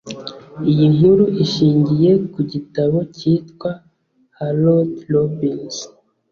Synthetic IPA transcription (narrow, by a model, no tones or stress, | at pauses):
ijiŋuɾuʔiʃiːɲɟije̞kuɟitaβo̞ciːtkwa | halotlobins